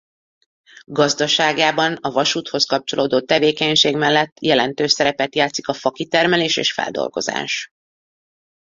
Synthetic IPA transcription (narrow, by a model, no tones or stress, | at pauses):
ɡɒzd̪ɒʃaːɡaːbɒnɒvɒʃuːt̪ho̞skɒp̚t͡ʃo̞lʔoːd̪oːt̪ɛveːkɛɲʃeːɡmɛlːɛt̪ːjɛlɛnt̪øːʃsɛɾɛpɛt̪jaːt̪si̥kɒfɒkit̪ɛrmɛleːʃḛːʃfɛ̰ld̪o̰lɡo̞̰za̰ːʃ